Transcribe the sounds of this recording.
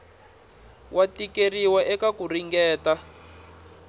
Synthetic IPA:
wʔatikeriwaʔɛkakuriŋɡɛːta

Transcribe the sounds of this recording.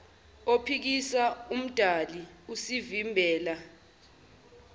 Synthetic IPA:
opʰik̬isaum̩d̥ʱaliusivimbʱɛːla

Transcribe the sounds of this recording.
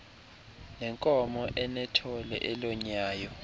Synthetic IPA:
nɛŋkʼɔmɔʔɛnɛtʰɔlɛ̰ʔɛlɔɲaːjɔ

